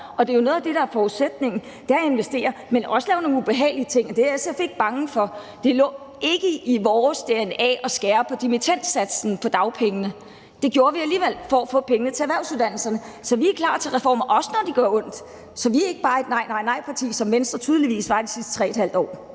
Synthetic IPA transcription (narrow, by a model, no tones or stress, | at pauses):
ɒ̽d̥e̝jo̝no̽ð̩ˠæd̥e̝ɾɑ̈æɐfɒuðˠsed̥̚ne̝ŋn̩ | d̥æe̝nʋesd̥e̝̰ːɐmenʔɒ̽səlɛːʊno̝ːŋ̩n̩ub̥e̝ɦɛ̰ːɪliət͡sʰe̝ŋ̰ɒd̥e̝æsefe̝ɡ̥̚b̥ɑ̈ŋəfɒ̽ | d̥e̝lɔ̰̽ː | e̝ɡ̥əiʋɒːsd̥enɛ̰ɒ̽sɡ̥ɛːɐpʰɒ̽d̥imit͡sʰen̰d̥sæd̥sn̩pʰɒ̽d̥ɑ̈ʊpʰeŋənə | d̥e̝ɡ̥jo̝ːɐʋiæliːʋel̰fɒæfɔ̰̽ːpʰeŋənət͡sʰe̝æʋæɐʊsuðˠd̥æn̰l̩sɐnə | sɒ̽ʋiækʰlɑ̰̈ːt͡sʰe̝lʁɛfɒ̰ːmɐʔɒ̽sə̥nɒd̥iɡ̥ɶɐɔ̽n̰d̥ | sɒ̽ʋiæe̝ɡ̥əb̥ɑ̈ːe̝d̥nɑ̈ɪ̰nɑ̈ɪ̰nɑ̈ɪ̰pʰɑ̈t͡sʰḭːsɒ̽mʋensd̥ʁɐt͡sʰyːðˠliʋḭːsʋɑ̈id̥isisd̥ət͡sʰʁɛ̰ːed̥hæl̰d̥ɒ̰ː